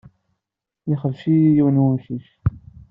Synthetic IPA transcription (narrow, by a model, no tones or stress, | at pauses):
jɪχəvʃijiwnwəmʃiʃ